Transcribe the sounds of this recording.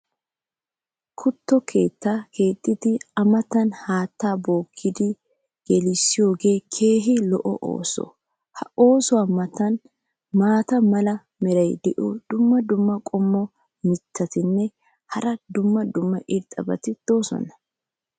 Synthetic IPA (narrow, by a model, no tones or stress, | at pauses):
kʰʊt̪ːɔkʰe̞ːt̪ːaːke̞ːt̪ʼːɪd̪ɪɐmɐt̪ːɐnhaːt̪ːaːbo̞ːkʰːɪd̪ɪ | ɡ̥ɛlɪsːɪjo̞ːɡe̞ːkʰe̞ːɦɪlɔʔɔ̰ʔo̰ːsɔ̰ | hɐo̞ːsʊwaːmɐt̪ɐn | maːt̪ɐmɐlɐ | mɛɾɐjd̪ɛʔɔd̪̥ʊmːɐd̪ʊmːɐkʼɔmːɔ | mɪt̪ʰːɐt̪ɪnːɛ | hɐɾɐd̪ʊmːɐd̪ʊmːɐʔɪɾt̪ʼːɐbɐ̰t̪ɪd̪̥o̞ːsɔ̰nɐ̥